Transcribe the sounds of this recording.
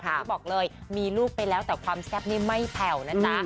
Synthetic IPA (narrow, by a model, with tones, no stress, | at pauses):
kʰa˦˩bɔː˨˩k̚lɤː˧jmiː˧luː˥˩k̚pa˧jlɛː˦˥wt̪ɛː˨˩kʰwaː˧mskɛː˥˩p̚niː˥˩ma˥˩jpʰɛ˨˩wna˦˥t͡ɕa˧˦˥